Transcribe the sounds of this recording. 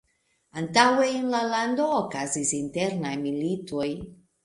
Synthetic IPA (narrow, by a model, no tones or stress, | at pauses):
antaweːnlalando̞ːkazisinteɾnajmilitoj